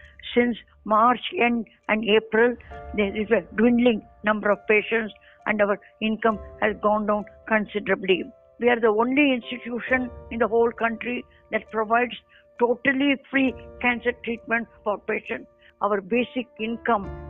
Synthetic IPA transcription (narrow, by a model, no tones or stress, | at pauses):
sɪ̃ns | maːɾt͡ʃɛ̃ɳɖ | ʔæ̃ɳɖeːpɾɪld̪eɾɪzəɖwɪ̃nɖlɪ̃ŋ | nʌ̃mbəɾɔʋpeːʃə̃nʈs | ʔæ̰̃ɳɖʌʋəɾ | ɪ̃nkʌ̃mhæzɡɔ̃ːnɖãʊ̃nkə̃nsɪɖəɾəbli | ʋiaːɾd̪əõːnliɪ̃nsʈiʈjuːʃə̃nɪ̃nd̪əɦoːlkʌ̃ɳʈɾi | d̪æʈ̚pɾoʋaɪɖs | ʈoːʈəlifɾiːkæ̃nsəɾʈɾiːʈ̚mɛ̃ɳʈfɔːɾpeːʃə̃nʈ | ʔaʋəɾbeːsɪkɪ̃nkʌ̃m